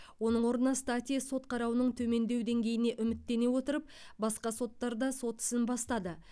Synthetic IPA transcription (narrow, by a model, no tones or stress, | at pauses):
wo̞nəɴwo̞ɾənɑst̪at̪ʲijaso̞t̪qʰɑɾɑwənəɴt̪ʰɵme̞nd̪e̞wd̪e̞ŋɡʲe̞jɪne̞ʔʏmɪt̪ːe̞ne̞wo̞t̪əɾəp̚ | bɑsqɑso̞t̪ːɑɾd̪ɑso̞t̪ɪ̥sɪnbɑst̪ɑd̪ə